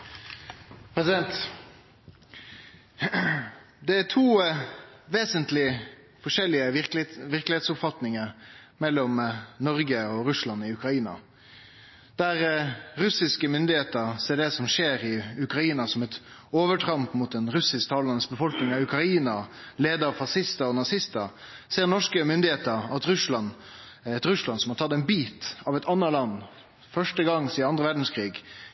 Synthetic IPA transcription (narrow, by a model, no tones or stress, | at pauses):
pʰɾɛsɪd̪ɛnt̪ | d̪ɛæt̪ʰuː | ʋeːsənt̪lɪ | fɔʂɛlːɪəʋɪklʋɪɾklɪheːt̪sʊpfɑt̪nɪŋəɾmɛlːɔmnɔɾɡəɔɾʉslɑnɪʉkɾɑiːnɑ̰ | d̪̥æɾɾʉsɪskəmʏnd̪ɪheːt̪əɾseːɖɛsɔmʂeːɾɪʉkɾɑiːnɑsɔmɛt̪oːʋəʈʰɾɑmpmʊt̪̚d̪ɛnɾʉsɪskt̪ʰɑːlɑnəsbəfɔlknɪŋɑʋʉkɾɑiːnɑleːd̪əɾɑʋfɑsɪst̪əɔnɑsɪst̪əɾ | seːʁnɔʂkəmʏnd̪ɪheːt̪əɾɑt̪ɾʉʂlɑn | ɛt̪ɾʉslɑnsɔmhɑɾt̪ʰɑt̪ːɛnbiːt̪ɑːʋɛt̪ʰɑnːəlɑnː | fœʂʈəɡɑŋsiːɑnd̪ɾəʋæɖn̩skʰʁɾiːɡ